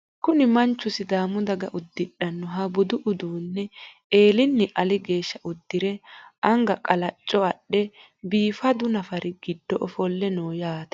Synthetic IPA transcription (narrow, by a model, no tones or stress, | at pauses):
kʊnɪmɐnt͡ʃːʊsɪd̪aːmʊd̪ɐɡɐʔʊd̪ːɪᶑːɐnːɔɦɐbʊd̪ʊʔʊd̪uːnːɛ | eːlɪnːɪʔɐlɪɡe̞ːʃːɐʔʊd̪ːɪɾɛɐŋɡɐkʼɐlɐt͡ʃʼːɔɐɗːɛ | biːfɐd̪ʊnɐfɐɾɪɡ̥ɪd̪ːɔʔɔfɔlːɛnoːjaːt̪ɛ̥